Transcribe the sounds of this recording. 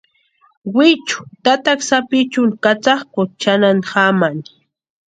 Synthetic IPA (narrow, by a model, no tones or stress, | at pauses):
wɪt͡ʃʊ̥t̪at̪aksapɪt͡ʃʊnkat͡sɑχkʊt͡ʃananhamani̥